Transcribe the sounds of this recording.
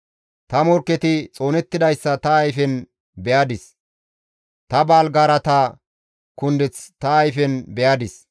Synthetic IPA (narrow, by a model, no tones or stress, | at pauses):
t̪ɐmɔɾkːɛt̪ɪt͡sʼo̞ːnɛt̪ːɪd̪ɐjsːɐt̪ɐːjfɛn | bɛjad̪ɪs | t̪ɐbaːlɡaːɾɐt̪ɐ | kʊnd̪ɛt͡st̪ɐːjfɛnbɛjad̪ɪs